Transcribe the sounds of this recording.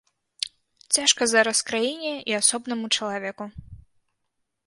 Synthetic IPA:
t͡sʲaʂkɐzaɾɐskɾajinʲɛiasɔbnɐmut͡ʂɐlˠavʲɛku

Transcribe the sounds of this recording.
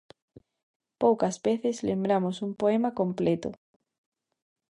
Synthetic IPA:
powkazβeθezlẽmbɾamosumpoemakõmplet̪o̰

